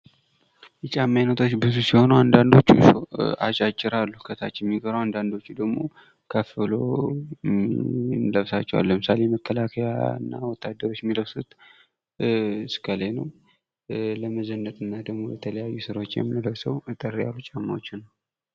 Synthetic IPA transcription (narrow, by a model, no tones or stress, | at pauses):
jɛt͡ʃʼamːajnət̪ʰo̞t͡ʃːbɨzusiho̞nəwand̪and̪o̞t͡ʃːusa̰t͡ʃʼat͡ʃʼːɪɾalːukʰət̪ʰat͡ʃːjɛmːiɡəɾawand̪and̪o̞t͡ʃːud̪əɡmo̞̰ | kʰəfɨlo | nləβsat͡ʃːɛwa̰lːəmɨsalejməkʰːəlakʰəja̰ɨ̰nːa̰wɔt̪ʰːad̪ːəɾo̞t͡ʃːjɛmːiləβsut̪ | ɨskʰəlenəw | ləməzənːət̪ʼɨnːad̪əɡmo̞jət̪ʰələjajːusɨɾo̞t͡ʃːjɛ̰mːɨnɨləwsəwt̪ʼərija̰lːut͡ʃʼamːawot͡ʃːɪnːəw